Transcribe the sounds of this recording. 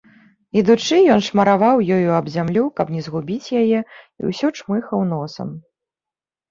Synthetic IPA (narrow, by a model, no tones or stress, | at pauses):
id̪ut͡ʂɨjɔnʂmɐɾavawjɔjuɐbzʲamlʲukɐpnʲɛzɣubʲit͡sʲjajɛ | ḭwsʲɔt͡ʂmɨxɐwnɔsɐ̰m